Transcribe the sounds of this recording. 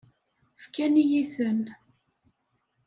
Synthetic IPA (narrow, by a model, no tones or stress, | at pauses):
fkænijiθən